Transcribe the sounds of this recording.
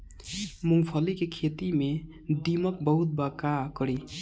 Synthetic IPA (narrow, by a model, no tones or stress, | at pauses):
muŋpʰʌlikekʰet̪ime | d̪imʌk̚bəɦut̪̚bakakʌɾi